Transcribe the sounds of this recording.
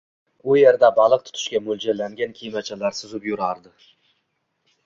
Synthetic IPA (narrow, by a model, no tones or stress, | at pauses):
ʊjeɾd̪abɑlˠɨq̚t̪ʰʊ̥t̪ʰɪ̥ʃkʲamɵld͡ʒalːaŋɡʲankʲʰijmat͡ʃʰalaɾsɪzʊpjʊɾɑɾd̪ɪ